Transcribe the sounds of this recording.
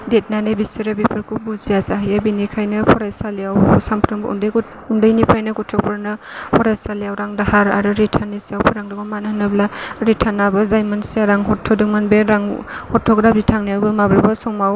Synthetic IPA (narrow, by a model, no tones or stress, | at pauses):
det̚nanebisiɾabipʰɯɾkʰubuzijazaɦajabinikʰajnɯpʰɔɾajsaleawsampʰɾɯŋb̰ṵndɯjk | undajnipʰɾajnɯkutʰɔpʰɯɾnɯ | pʰɔɾajsalejawɾaŋdahaɾaɾɯɾitʰanːisiawpʰuɾaŋdɔɡɔmanahnɯblaɾitʰanabɯzajmansijaɾaŋɦɔtʰːɔdɯŋ̚manbeɾaŋhɔtʰɔkɾabitʰaŋnijawbɯmabɯɾbasɔmaw